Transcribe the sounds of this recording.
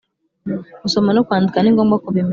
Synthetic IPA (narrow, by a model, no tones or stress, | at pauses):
ɡusomanokwaːndikaniːŋɡomɡakuβim